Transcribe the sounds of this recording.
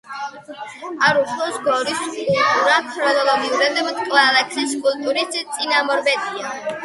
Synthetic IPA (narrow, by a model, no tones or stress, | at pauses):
aɾuχʰlˠɔsɡɔɾiskʼulˠt̪ʼuɾakʰɾɔnɔlˠɔɡiuɾɛd̪mt̪ʼkʼlalɛkʰsiskʼulˠt̪ʼuɾist̪sʼinamɔɾbɛt̪ʼia